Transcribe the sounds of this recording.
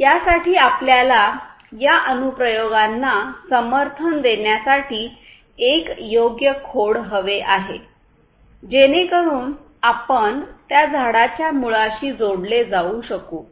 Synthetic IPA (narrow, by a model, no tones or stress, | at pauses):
jasaʈiːapljala | jaʔənupɾəjoɡanːasəməɾt̪ʰənd̪eɳjasaʈiː | ekjoɡjəkʰoɽɦəʋeʔaɦḛ | d͡ʑenekəɽuːn | apəɳt̪jad͡zʱaɽat͡ɕjamuɭaɕiːd͡zoɽled͡zauɕəkṵː